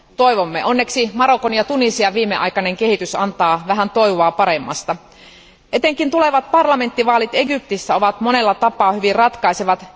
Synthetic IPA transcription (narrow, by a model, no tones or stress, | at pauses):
t̪o̞iʋomːḛʔo̞nːe̞ksimɑɾo̞konjɑt̪unisiɑʋiːmːeʔɑ̰jkɑneŋke̞hit̪ysɑ̰nt̪ɑːʋæɦænt̪o̞jʋoɑːpɑɾemːɑ̰st̪ɑ | ʔe̞t̪eŋkint̪ule̞ʋɑt̪̚pɑrlɑme̞nt̪ːiʋɑːlit̪e̞ɡyp̚t̪isːæo̞ʋɑt̪mo̞ne̞lːɑt̪ɑpˑɑːhyʋirrɑt̪kɑiseʋɑt̪